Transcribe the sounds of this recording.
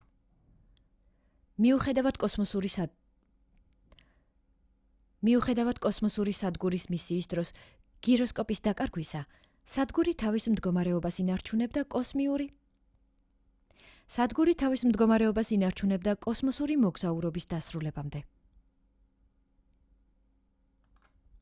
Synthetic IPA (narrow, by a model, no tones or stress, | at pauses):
miuχɛd̪avad̪kʼɔsɔu | miuχɛd̪avad̪̥kʼɔsmɔsuɾisad̪ɡuɾismisiːsd̪ɾɔs | ɡ̥iɾɔskʼɔpʼisd̪akʼaɾɡwisa | sad̪ɡuɾit̪ʰavismd̪ɡɔmaɾɛɔbasinaɾt͡ʃʰunɛbd̪akʼɔ | sad̪ɡuɾit̪ʰavismd̪ɡɔmaɾɛɔbasinaɾt͡ʃʰunɛb̚d̪akʼɔsmɔsuɾimɔɡz̥auɾɔbisd̪asɾulɛbamd̪ɛ